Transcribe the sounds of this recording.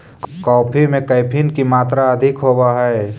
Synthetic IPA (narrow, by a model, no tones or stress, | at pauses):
kkɔːpʰimẽkəjpʰɪnkimaːt̪ɾaɐd̪ʱɪkɦoːbaɦɛː